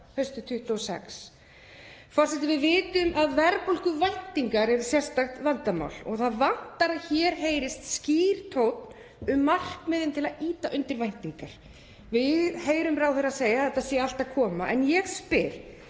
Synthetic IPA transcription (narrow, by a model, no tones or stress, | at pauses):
hœɥst̪ʏt̪ʰʏht̪ɔɔsɛ̰ks | fɔr̥sɛt̪ɪvɪðvɪːt̪ʏmʔaðvɛɾpowlkʏvajn̥t̪iŋkaɾɛɾsjɛr̥st̪axt̪vant̪ama̰wlɔ̰ɣθaðvan̥t̪aɾaçɛːɾ̥ɦeːjɾɪst̪sciːɾ̥t̪ʰowt̪n | ʏmːar̥kmɛðɪnt̪ʰɪlaðiːt̪aʔʏnt̪ɪɾvajn̥t̪iŋkaɾ̥ | vɪðheːjɾʏmɾawθɪɾaseːjaθɛht̪ːasjɛal̥t̪akʰɔːmaʔɛ̰njɛɣspɪɾ̥